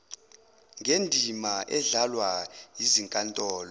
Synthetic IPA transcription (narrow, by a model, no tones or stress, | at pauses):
ŋʱendʱimaʔɛɮalwajiziŋkʼantʼɔːlɔ